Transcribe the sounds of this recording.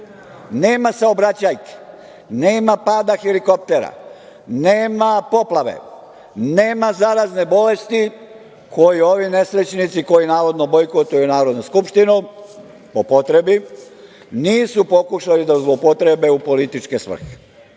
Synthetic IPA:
ne̞ːmasaobɾat͡ɕajke̥ | neːmapaːd̪axeliko̞p̚t̪eɾa̰ | neːmapo̞plaʋḛ | ne̞ːmazaɾazne̞bole̞st̪i | kʰo̞jio̞ʋine̞sɾet͡ɕnit̪siko̞jinaːʋo̞d̪nobo̞jkot̪ujunaːɾo̞d̪noskupʃt̪inu | popot̪ɾebi | niːsupo̞kuʃalid̪azlˠopo̞t̪ɾe̞be̞upo̞lit̪it͡ʃkesʋr̩xe̥

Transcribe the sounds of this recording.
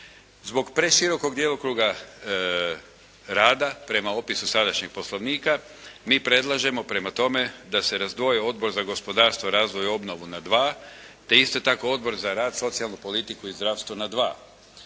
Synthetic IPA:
zbo̞ɡpɾe̞ʃiɾo̞ko̞ɡd̪jelokɾuːɡa | ɾaːd̪apɾe̞mao̞pisusad̪aʃɲeɡ̥̚po̞slˠo̞ʋniːka | miːpɾe̞d̪lˠaʒe̞mo̞pɾe̞mat̪o̞me̞d̪ase̞ɾazd̪ʋo̞jeo̞d̪̚bo̞ɾzaɡo̞spo̞d̪aːɾst̪ʋoɾaːzʋo̞jo̞bno̞ʋunad̪ʋaːt̪e̞ist̪o̞t̪ako̞o̞d̪̚bo̞ɾzaɾaːd̪so̞t̪sijalˠnupo̞lit̪ikuizd̪ɾaːʋst̪ʋonad̪ʋaː

